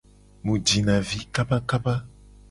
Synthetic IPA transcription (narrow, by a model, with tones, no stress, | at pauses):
mũ˨d͡ʒi˨nã˨vi˦ka˦ba˦ka˦ba˦